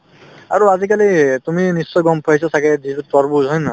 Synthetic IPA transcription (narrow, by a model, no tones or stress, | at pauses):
aɹuazikalit̪uminisːɔjɡɔmpʰɔisɔsaɡɛdiɾutɔɹbuzɔjna